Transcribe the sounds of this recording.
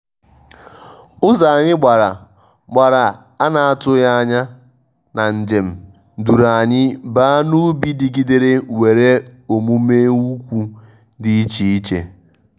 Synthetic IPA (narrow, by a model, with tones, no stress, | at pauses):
ʊ˦za˨a˨ɲɪ˦ɡ͡ba˨ɾa˨ | ɡ͡ba˨ɾa˨ | a˦na˨a˦tʊ˦ja˦a˦ɲa˦ | na˨n̩˨d͡ʒe˨m̩˨ | du˨ɾa˨a˨ɲɪ˦baː˦a˦nu˦bi˦di˨ɡi˦de˨ɾe˦we˨ɾe˦o˨mu˦meː˦u˦kʷu˦ | di˦i˦t͡ʃi˦i˦t͡ʃḛ˦